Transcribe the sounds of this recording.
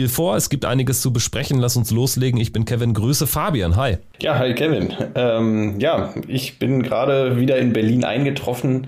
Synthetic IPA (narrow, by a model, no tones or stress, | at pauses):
iːlfoːɐɛsɡ̥iːp̚tʔa̰ɪnɪɡəst͡subəʃpʁ̥ɛçn̩lasʊnsloːsleːɡŋ̩ɪçb̥ɪnkʰɛvɪnɡʁyːsəfaɐbianɦaɪ | jaːɦaɪkʰɛvɪnʔɛːmjaːʔɪçb̥ɪnɡʁaːɾəviːdɐɪnbɛɐliːnʔa̰ɪnɡətʁ̥ɔfn̩